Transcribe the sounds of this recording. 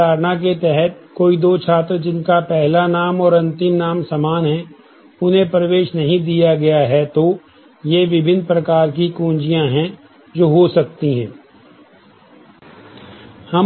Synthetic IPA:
aːɾnak̬et̪ɛɦɛt̪̚koːid̪oːt͡ʃʰaːt̪ɾəd͡ʒɪnkapɛɦlanaːmɔːɾɐ̃nt̪ɪmnaːmsɐmaːnɦɛ̃ | ʊnɦẽpɾɐʋeːʃnɐɦĩd̪ijaɡɐjaɦɛt̪o | jeʋɪbʱɪnpɾɐkaːɾk̬ikũːnd͡ʒijãɦɛ̃ | d͡ʒoːɦosɐkt̪iɦɛ̰̃ː | hɐm

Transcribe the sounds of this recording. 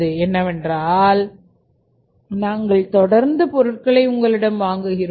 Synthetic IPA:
ɯɛnːɐʋɛndraːl | naːŋɡɐɭt̪ɔɽɐɾnd̪ɯpɔɾɯʈkɐɭɐɪʊŋɡɐɭɪɽɐmʋaːŋɡɯɣɪɾ

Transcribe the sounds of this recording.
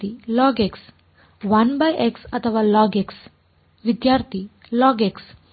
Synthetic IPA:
ilɔɡeks | ʋanbajʔeksət̪ʰəʋalɔɡeks | ʋid̪jaɾt̪ʰi | lɔɡeks

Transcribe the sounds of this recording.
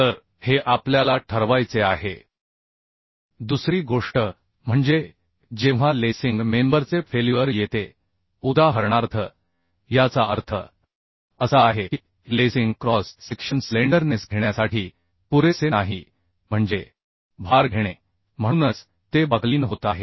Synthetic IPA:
t̪əɾ | heʔapljalaʈʰəɾʋajt͡seaɦe | d̪usɾiːɡoʂʈə | m̤əɳd͡ze | d͡ʑẽʋ̤alesiŋɡmembəɾt͡sefʰeljuəɾjet̪e | ud̪ʱaɦəɾɳaɾt̪ʰə | jat͡saəɾt̪ʰə̰ | əsaːɦei | lesiŋɡkɾɔsːekʂənsleɳɖəɾnesɡʱeɳjasaʈʰiː | puɾesenaɦi | m̤əɳd͡ze | bʱaɾɡʱeɽ̃e | m̤ə̃unət͡s | t̪ebəɡliːnɦot̪aɦe

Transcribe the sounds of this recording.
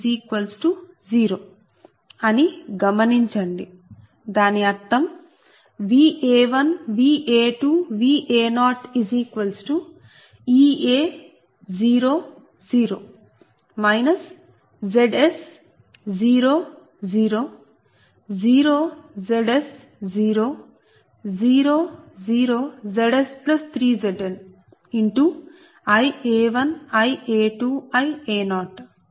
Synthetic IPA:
iːkʋɐlsʈu | ziːɾoː | ɐniɡɐmɐniɲt͡ʃɐɳɖi | d̪aːniɐɾt̪ʰɐm | ʋiːeːʋɐnʋiːʔeːʈuːʋiːʔeːnaːʈiziːkʋɐlsʈu | iːeː | d͡ʒiːɾoː | d͡ʒiːɾoː | mɐjnɐs | zeɖes | ziːɾoː | ziːɾoː | ziːɾoːzeɖes | ziːɾoː | ziːɾoːziːɾoːzeɖesplɐst̪ʰɾiːzeɖen | iɳʈu | ɐjeːʋɐnɐjeːʈuːɐjeːnɔːʈ

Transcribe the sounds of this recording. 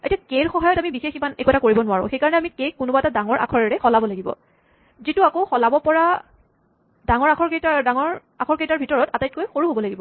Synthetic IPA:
etiakeɹxɔɦajɔtamibixeximanḛkuɛtʰakoɹibɔnʊaɹʊ̰̃xejkaɹɔnɛamikekkːʊnʊbaɛtadaŋɔɹʔa̰kʰɔɹɛɹɛxɔlabɔlaɡibɔ̰ | zituakoʊxɔlabɔpɔɹa | daŋɔɹakʰɔɹketadaŋɔɹ | akʰɔɹketaɹbʱitɔɹɔtatajt̚kojxoɹuɦobɔlaɡibɔ

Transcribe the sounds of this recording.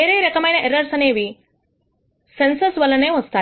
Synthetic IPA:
eːɾeːɾɐkɐmɐjnɐʔeɾɐɾsɐneːʋi | sensɐsʋɐlːɐne̞ːʋɐst̪aː

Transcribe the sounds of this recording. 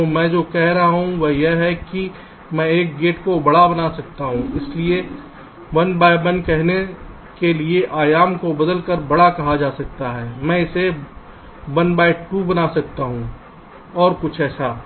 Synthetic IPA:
t̪omɛ̃d͡ʒoːkɛɦɾɐɦaɦũʋɐjeɦɛki | mɛ̃eːk̚ɡeːʈkobɐɽabɐnaːsɐk̚t̪aɦũɪslie | wɐnbaːibɐ̃nkɛɦne | kelieʔaːjaːmkobɐd̪əlkəɾbɐɽakɐɦad͡ʒaːsɐk̚t̪aɦɛːmɛ̃ɪse | ʋɐnbaːɪʈubɐnaːsɐk̚t̪aɦũː | ɔːɾkʊt͡ʃʰɛːsʰaː

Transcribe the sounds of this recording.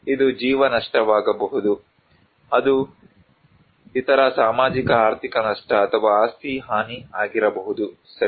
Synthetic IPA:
id̪ud͡ʒiːʋɐnɐʂʈɐʋaːɡɐbɐɦud̪u | ɐd̪u | it̪ɐɾɐsaːmaːd͡ʒikɐaːɾt̪ʰikɐnɐʂʈɐːt̪ʰɐʋaːaːst̪ʰiɦaːniaːɡiɾɐbɐɦud̪u | sɐ

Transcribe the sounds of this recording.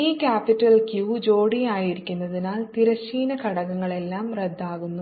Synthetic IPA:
iːkʲaːpitːɐlkjuːd͡ʑoːɽijaːjiɾikʲːunːɐðinaːlt̪iɾɐɕiːnɐkɐɽɐɣɐŋːɐɭe̞lːaːmred̪ːaːɣunːu

